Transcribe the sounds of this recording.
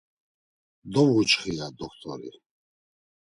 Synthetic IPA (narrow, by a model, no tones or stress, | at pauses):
d̪ɔvut͡ʃχijad̪ɔkʰt̪ʰʼɔ̰ɾḭ